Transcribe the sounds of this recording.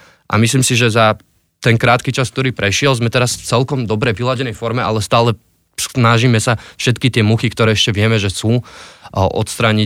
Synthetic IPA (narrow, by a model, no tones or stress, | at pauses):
ʔa̰misliːmsiʒɛza | t̪ɛŋkɾaːt̪kit͡ʃask̚t̪ɔɾiːpɾɛʃɪɛlzmɛt̪ɛɾasft͡sɛlkɔmd̪ɔbɾɛʋilaɟɛnɛjfɔɾmɛʔalɛst̪aːlɛ | snaʒimɛsafʃɛt̪kit̪ɪɛmuxikt̪ɔɾɛːɛʃcɛʋɪɛmɛʒɛsuː | ʔɔ̰t̪st̪ɾaːɲi